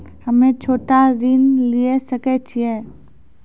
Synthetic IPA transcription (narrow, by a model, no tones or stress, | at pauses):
hɐmẽt͡ʃʰoːʈaɾɪnliesɐkɛt͡ʃʰiɛː